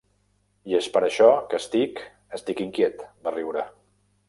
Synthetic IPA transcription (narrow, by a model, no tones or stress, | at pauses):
jespəɾəʃɔkəst̪ik | əst̪ikiŋkjet̪bəriwɾə